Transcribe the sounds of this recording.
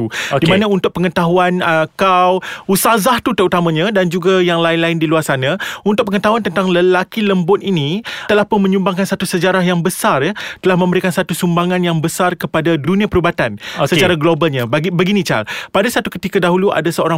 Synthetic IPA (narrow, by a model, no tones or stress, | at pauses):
uodimanãunt̪ʊk̚pəŋət̪aɦuanəkawusazaht̪ut̪əɾut̪amãɲãdand͡ʒuɡajaŋlaɪnlaɪndiluarsanãunt̪ʊk̚pəŋət̪aɦuant̪ənt̪aŋləlakiləmbʊt̪init̪əlahpʊnmə̃ɲumbaŋkansat̪usəd͡ʒaɾaɦjaŋbəsarjat̪əlahmə̃mbəɾikansat̪usumbaŋãnjaŋbəsarkəpadadunĩapəɾubat̪anosət͡ʃaɾaɡlobalɲãbbəɡinĩt͡ʃa̰lpadasat̪ukət̪ikadaɦulua̰dasəoɾaŋ